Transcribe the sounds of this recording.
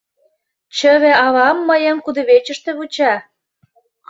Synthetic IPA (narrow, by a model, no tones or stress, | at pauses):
t͡ɕəβeɑβɑmːəjə̆mkud̪ə̆βet͡ɕə̆ʃt̪ĕβut͡ɕɑ